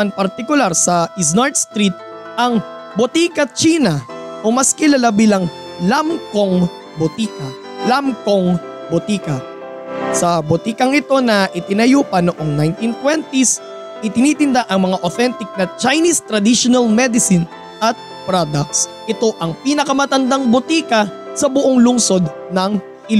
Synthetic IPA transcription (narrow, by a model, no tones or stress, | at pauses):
ɐnpɐɾt̪ɪkʊlaɾsɐʔɪs̬naɹt̪̚st̪ɾit̪̚ | ʔɐŋ | bʊt̪iːkɐt͡ʃiːnɐʔomɐskɪlɐlɐbilɐŋ | lamko̞ŋ | bʊt̪ikɐ | lamkoŋ | bʊt̪iːkɐ | sɐbʊt̪iːkɐŋɪt̪o̞nɐʔɪt̪ɪnɐjuːpɐnoʔo̞ŋnajnt̪int̪wɛnt̪is | ʔɪt̪ɪnit̪ɪnd̪aʔɐŋmɐŋaʔoθɛnt̪ɪk̚nɐt͡ʃajnist̪ɾɐd̪iʃonɐlmɛd̪ɪsɪn | ʔɐt̪̚ | pɾod̪ɐk̚sʔɪt̪o̞ʔɐŋpiːnɐkɐmɐt̪ɐnd̪aŋbʊt̪iːkɐsɐbʊʔoŋlʊŋso̞d̪nɐŋ | ʔɪl